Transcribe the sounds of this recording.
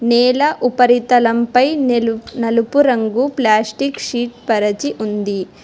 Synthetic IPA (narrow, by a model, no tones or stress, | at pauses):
nɛːlɐʔupɐɾit̪ɐlɐmpɐjnɐlupuɾɐŋɡuplaːsʈikʃiːʈ̚pɐɾɐt͡ʃiʔund̪i